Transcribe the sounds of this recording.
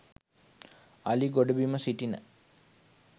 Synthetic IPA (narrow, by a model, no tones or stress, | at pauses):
aliɡoɖubiməsiʈinə̰